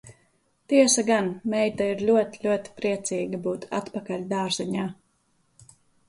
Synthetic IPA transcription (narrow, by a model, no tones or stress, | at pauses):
t̪iɛsaɡanmɛjt̪aiɾlʲuɔt̪i̥lʲuɔt̪i̥pɾiɛt̪siːɡabuːt̪ʰa̰t̪pakalʲd̪aːɾzɛɲaː